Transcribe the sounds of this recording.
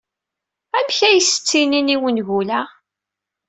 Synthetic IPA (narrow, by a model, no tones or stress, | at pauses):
æmçæjəsə̥t͡sːininiwənʝulæ